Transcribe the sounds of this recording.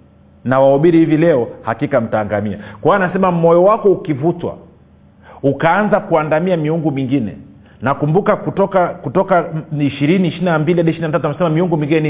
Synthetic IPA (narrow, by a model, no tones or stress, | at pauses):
nawaɔɓiɾihivilɛɔhakikam̩taːŋɡamia̰kwawanasɛmam̩mɔjɔwakɔukivutwa̰ | ukaanzakuandamiamiuŋɡumiŋɡinɛ̰ | nakumbukakutɔkakutɔkaiʃiɾiniːʃiɾinambiliaɗiʃiɾinatat̬uamasɛmamiuŋɡumĩŋɡinɛni